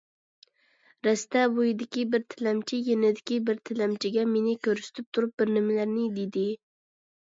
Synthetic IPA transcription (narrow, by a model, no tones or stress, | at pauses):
ɾɛst̪ɛbojid̪ɪkʲibɪɾt̪ʰɪlɛmt͡ʃʰijenɪd̪ɪkʲibɪɾt̪ʰɪlɛmt͡ʃʰiɡʲɛmenɪkʲʰøɾsɪ̥t̪ʰyp̚t̪ʰuɾup̚bɪɾnɪmɪlæɾnɪd̪ed̪ɪ